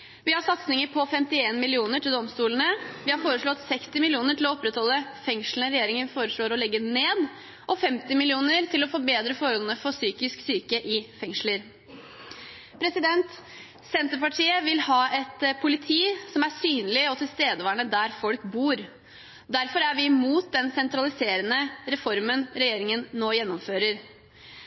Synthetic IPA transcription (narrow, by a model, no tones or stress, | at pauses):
ʋɪhɑsɑt̪snɪŋəɾpʰɔfɛmt̪ɪeːnmɪlɪuːnəʈʰɪld̪ɔmst̪uːlnəʋɪhɑɾfoːɾəʂɭɔt̪sɛkst̪ɪmɪlɪuːnəʈʰɪlɔɔpːɾɛt̪hɔlːəfɛŋʂl̩n̩əɾɛjeːɾɪŋənfoːɾəʂɭoːɾɔlɛɡːəneːd̪ | ʔɔfɛmt̪ɪmɪlɪuːnəɾt̪ʰɪlɔfɔbeːd̪ɾəfɔɾɔln̩əfɔsyːkɪsksyːkəʔɪfɛŋʂləɾ | pʰɾɛsɪd̪ɛnt̪ | sɛnt̪əɾpɑʈʰiːəʋɪlhɑːɛt̪pʰʊlɪt̪ʰiːsɔmæsyːnlɪɔt̪ʰɪlst̪eːd̪əʋɑːɳəd̪æɾfɔlkbuːɾ | d̪æɾfɔɾæɾʋɪmuːt̪̚d̪ɛnsɛnt̪ɾɑlɪseːɾənəɾɛfɔɾmənɾɛjeːɾɪŋənːoːjɛnːɔmføːɾəɾ